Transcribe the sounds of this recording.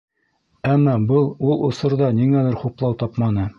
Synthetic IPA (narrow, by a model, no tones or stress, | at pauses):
æmːɑbɤlˠulˠŏsɤ̆ɾðɑniŋælɘɾχuplˠɑwt̪ɑpmɑnɤ